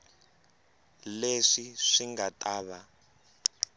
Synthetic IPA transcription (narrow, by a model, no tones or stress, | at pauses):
leʂiʂiŋɡatʼaːβa